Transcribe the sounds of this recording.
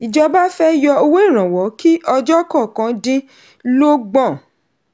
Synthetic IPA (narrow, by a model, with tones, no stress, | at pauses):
i˨d͡ʒɔ˧ba˦fɛ˦jɔ˧o˧wo˦i˦˨ɾ̃ã˨wɔ˨˦ki˦ʔɔ˧d͡ʒɔ˦kɔ̃˦˨kã˧˦dĩ˦ | lo˦ɡ͡bɔ̃˦˨